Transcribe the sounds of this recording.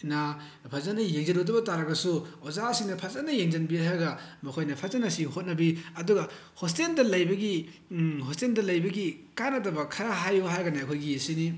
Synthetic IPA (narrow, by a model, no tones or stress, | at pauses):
na | pʰɐzanɐjeŋzɐnotɐbɐtaɾɐɡɐsuozasiŋnɐpʰɐzanɐjeŋd͡ʒɐnbiaɡɐmɐkʰojnɐpʰɐzanɐsihot̚nɐbiɐduɡɐ | hos̬tendɐlɐjbɐɡi | hostendɐlɐjbɐɡikanɐt̬ɐbɐkʰɐɾaɦajuɦaɾɡɐnaɐkʰojɡijesini